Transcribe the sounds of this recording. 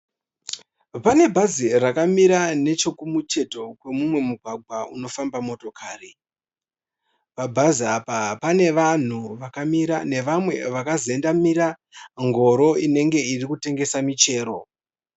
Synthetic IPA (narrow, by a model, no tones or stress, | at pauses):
pane̞bʱazirakamiɾane̞t͡ʃo̞kumut͡ʃe̞to̞kwe̞mumwe̞muɡʱwaɡʱwauno̞fambamo̞to̞kʰaːri | pabʱaziapapane̞ʋan̤uʋakamiɾane̞ʋamwe̞ʋakazoendamiɾa | ŋɡo̞ɾo̞ine̞ŋɡe̞irikute̞ŋɡe̞samit͡ʃe̞ːɾo̞